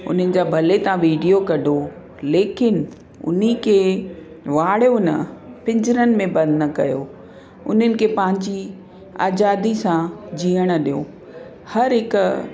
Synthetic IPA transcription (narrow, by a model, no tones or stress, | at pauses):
ʊ̰n̤ənɪ̆d͡ʑaːbʱɐlet̪ɐãʋiːɖijokɐɖʱo | leːkɪn | ʊ̰nikʰeː | ʋaːɽjonɐ̰pɪ̃ɲd͡ʑɪɾənɪ̆mẽbɐ̃nd̪nɐkɐjo | ʊ̰n̤ənɪ̆kʰeːpɐ̃ɦɪ̃ɲd͡ʑi | a̰ːd͡ʑaːd̪isãd͡ʑiːəɽ̃əɗijo̰ | hɐɾɦɪkʊ